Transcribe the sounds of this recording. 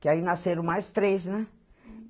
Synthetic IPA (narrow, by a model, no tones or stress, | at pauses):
kɪainaseɾõw̃majst̪ɾesnɛ̃